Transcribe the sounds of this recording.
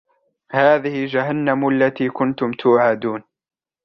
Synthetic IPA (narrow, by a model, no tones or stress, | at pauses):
haːðɪhɪld͡ʒaɦanːamʊʔalːat̪iːkʊnt̪ʊmt̪ʰʊwʕaːd̪uːn